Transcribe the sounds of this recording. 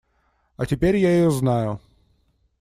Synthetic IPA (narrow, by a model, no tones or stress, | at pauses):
ɐtʲɪpʲeɾʲjajɪjɔznajʊ